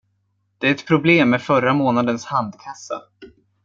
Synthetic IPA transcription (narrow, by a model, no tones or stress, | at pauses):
d̪̥ɛæɾɛt̪pʰɾʊbleːmːɛfœɾamoːnad̪ənshand̪kʰasːa̰